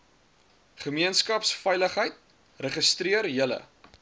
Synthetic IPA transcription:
χəmiənskɐpsfɛjləχɦəjt̚ | rəχəstriərjələ̰

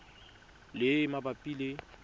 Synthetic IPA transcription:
lɪmabapʼile

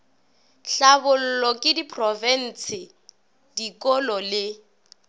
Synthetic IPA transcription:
ɬabʊl̩lɔkʼɪdipʰʼrɔvɛn̩ːsɪ | dikʼɔlɔlɪ

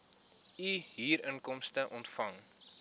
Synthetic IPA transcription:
iɦiːɾənkɔmstəʔɔntfɐŋ

